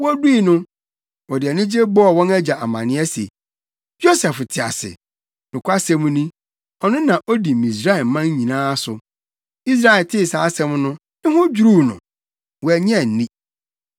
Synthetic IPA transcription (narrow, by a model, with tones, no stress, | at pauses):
wɔ˦di˦˨nʊ̃˦ | wɔ˨dɪ˨ɛ˨nɪ̃˦d͡ʑe˦bɔ˦ɔ˦˨wɔ̃˦næ˦d͡ʑa˨ʔa˨mã̰˨nɪ̃˦ɛ˦sḛ˨ | jo˦sɛ˨ftʰɪ˨a̰˨sɪ̰˨ | nʊ̃˨kʷʰa˦sɛ̃˦mũ˦nĩ˦ | ɔ˨nʊ̃˦nã˨ʔo˦di˨mĩ˨s̬ɾa˦ɛ˨lmã˦ŋ˦ɲĩ˨nãː˦sʊ˨ | i˦s̬ɾa˦˨ɪ˨tʰɪ˦˨saː˨˦sɛ̃˦mnʊ̃˦ | ɪ̃˦ɦʊ̃˦d͡ʑu˦ɾu˦˨nʊ̰̃˨ | wɔ˨ɛ˨ɲ˦ɛ̃˦˨n̩˨nĩ˦